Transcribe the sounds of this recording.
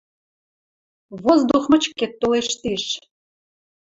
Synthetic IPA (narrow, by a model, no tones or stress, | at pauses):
βozd̪uxmə̆t͡ɕkːet̪ːoleʃt̪iʃ